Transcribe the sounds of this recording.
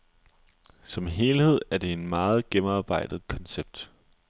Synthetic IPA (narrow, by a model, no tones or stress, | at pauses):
sɒ̽mɦe̝ːlhe̝ð̞̰ˠæɐd̥e̝e̝nmɑ̈ːð̞̩ˠɡ̥emɑ̈ːb̥ɑ̈ɪ̰d̥ð̞̩ˠkʰɒ̽nseb̥̚d̥